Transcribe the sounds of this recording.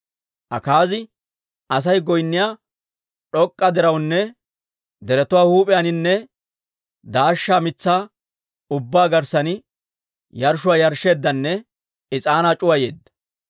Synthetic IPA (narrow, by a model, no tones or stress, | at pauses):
ʔɐ̰kaːzɪ | ʔɐs̬ɐjɡɔjnːɪjaː | ᶑɔkʼːɐd̪ɛɾɐwnːɛ | d̪ɛɾɛt̪ʊwaːhuːpʼɪjanɪnːɛ | d̪aːʃːaːmɪt͡sːaː | ʊbːaːɡɐɾsɐnɪ | jɐɾʃʊwaːjɐɾʃe̞ːd̪ːɐnːɛ | ɪt͡sʼaːnaːt͡ʃʼʊwɐje̞ːd̪ːɐ̥